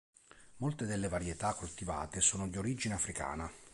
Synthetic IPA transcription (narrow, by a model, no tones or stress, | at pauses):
molt̪ed̪elːevaɾjet̪akːult̪iva̰ːt̪esuːnod̪ioɾid͡ʒineafɾika̰ːna